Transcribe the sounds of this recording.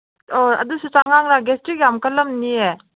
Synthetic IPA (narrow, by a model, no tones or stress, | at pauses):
oɐ̰dusut͡ʃaŋaŋɾaɡestiɡjamkəlːɐmnie